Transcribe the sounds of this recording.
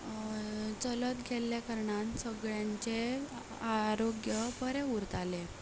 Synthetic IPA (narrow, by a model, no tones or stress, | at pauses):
t͡sələt̪ɡʱeljakaɾɳansəɡɭjãɲt͡ɕe | aɾoɡjəpəɾẽuɾt̪ale